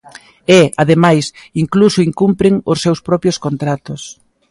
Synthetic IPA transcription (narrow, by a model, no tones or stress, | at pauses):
ɛaðemajsiŋklusʊiŋkumpɾɪŋʊsːewspɾɔpjoskont̪ɾat̪os